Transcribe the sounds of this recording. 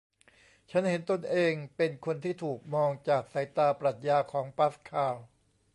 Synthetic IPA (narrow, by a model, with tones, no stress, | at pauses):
t͡ɕʰa˦˥nhe˩˦nt̪o˧nʔeː˧ŋpe˧nkʰo˧nt̪ʰiː˥˩t̪ʰuː˨˩k̚mɔː˧ŋt͡ɕaː˨˩k̚sa˩˦jt̪aː˧pɾa˨˩t̪̚jaː˧kʰɔː˩˦ŋpa˦˥skʰaː˧˩w